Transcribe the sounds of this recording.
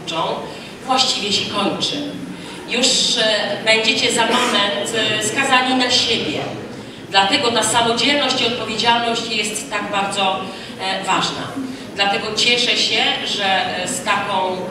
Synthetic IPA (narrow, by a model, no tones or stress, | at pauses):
t͡ʂɔ̃w̃ | vwaɕt͡ɕivʲjɛɕɛkɔɲt͡ʂɘ | juʂbɛɲd͡ʑet͡ɕɛzamamɛnt̪skazaɲinaɕebʲjɛ | d̪lat̪ɛɡɔt̪asamɔd͡ʑɛlnɔɕt͡ɕiɔt̪̚pɔvʲjed͡ʑalnɔɕt͡ɕjɛst̪ːaɡbaɾd̪zɔ | vaʐna̰ | d̪lat̪ɛɡɔt͡ɕɛʂɛɕɛʐɛst̪akɔ̃w̃